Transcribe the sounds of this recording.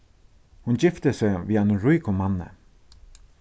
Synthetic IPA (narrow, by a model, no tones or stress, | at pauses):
hʊnd͡ʑɪft̪əseʋiːanʊɾujkʊmanːə̰